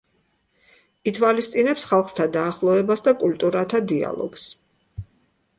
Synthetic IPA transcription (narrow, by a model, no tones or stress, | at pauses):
it̪ʰwalist̪sʼinɛpsχalˠχt̪ʰad̪aːχlˠɔɛbasd̪akʼult̪ʼuɾat̪ʰad̪ia̰lˠɔ̰ɡ̥s